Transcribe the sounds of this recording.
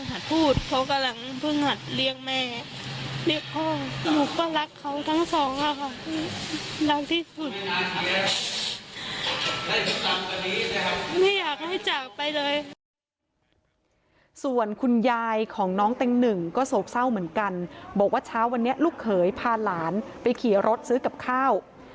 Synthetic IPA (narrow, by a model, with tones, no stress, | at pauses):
ŋɦa˨˩t̪̚pʰuː˥˩t̪̚pʰɔ˧˥ka˧la˧˩ŋpʰɯ˧˨ŋha˨˩t̪̚li˧əŋmɛː˧˩ | li˧˩ək̚ʰɔː˧˩nuː˨˩k̚waː˥˩la˦˥kʰːa˦˥wt̪ʰa˦˥ŋsɔː˨˩˦ŋʔa˨˩kʰa˧˩tiː˥˩la˦˥k̚t̪ʰiː˥˩su˨˩t̪a˧˩i˧˥ | la˥˩kt̪a˧mka˧ni˦˥la˦˥niː˥˩jaː˨˩k̚ha˥˩jt͡ɕaː˨˩k̚pa˧jlɤː˧j | su˨˩ənkʰu˧njaː˧jkʰɔː˩˦ŋnɔː˦˥ŋt̪e˧ŋnɯ˨˩ŋkɔː˥˩soː˨˩p̚sa˥˩wmɯ˩˦ənka˧nbɔː˨˩k̚waː˥˩t͡ɕʰaː˦˥wa˧nːi˦˥ɐʔluː˥˩kʰːɤː˩˦jpʰaː˧nlaː˩˦npa˧jkʰi˩˦ɾo˦˥t̪̚sɯː˦˥ka˨˩p̚kʰaː˥˩w